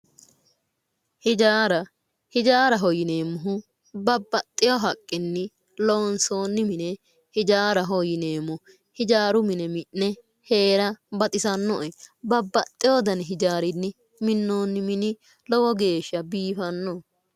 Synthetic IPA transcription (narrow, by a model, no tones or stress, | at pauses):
hɪd͡ʒaːɾɐ | hɪd͡ʒaːɾɐɦɔjɪneːmːʊɦʊ | bɐbːɐt̪ʼːɪjɔɦɐkʼːɪnːɪ | loːnso̞ːnːɪmɪnɛ | hɪd͡ʒaːɾɐɦɔjɪne̞ːmːʊ | hɪd͡ʒaːɾʊmɪnɛmɪʔːɛ | he̞ːɾɐbɐt̪ʼɪsɐnːɔ̰ʔɛbɐbːɐt̪ʼːɪjoːd̪ɐnɛɦɪd͡ʒaːɾɪnːɪ | mɪnːoːnːɪmɪnɪ | lɔwɔɡe̞ːʃɐbiːfɐnːɔ